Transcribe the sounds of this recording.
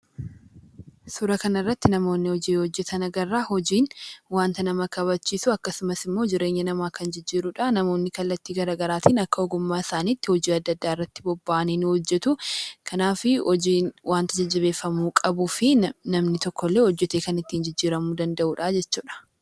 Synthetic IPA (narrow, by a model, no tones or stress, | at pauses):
sʊɾɐkɐnɐrːɐt̪ːɪnɐmo̞ːnːɪhɔd͡ʒiːhɔd͡ʒːɛt̪ʰɐnɐɡɐrːaːhɔd͡ʒiːnwaːnt̪ɐnɐmɐkɐβɐt͡ʃːiːsʊɐkːɐsʊmɐsɪmːo̞ːd͡ʒɪɾe̞ːɲːɐnɐmaːkɐnd͡ʒɪd͡ʒːiːɾʊᶑaːnɐmo̞ːnːɪkɐlːɐt̪ːiːɡɐɾaːɡɐɾaːt̪ʰiːnɐkːɐɔɡʊmːaːɪsaːniːt̪ːɪhɔd͡ʒiːɐd̪ːɐd̪ːaːɪrːɐt̪ːɪ̥bɔbːaʔɐniːnhɔd͡ʒːɛt̪ʊkʰɐnaːfɪ | waːnt̪ɐd͡ʒɐd͡ʒːɐβe̞ːfːɐmuːkʼɐbufɪnɐmnɪt̪ɔkːɔlːe̞ːhɔd͡ʒːɛt̪eːkɐnɪt̪ːiːnd͡ʒɪd͡ʒːiːɾɐmuːd̪ɐnd̪ɐʔuːᶑaːd͡ʒɛt͡ʃːuːᶑɐ̥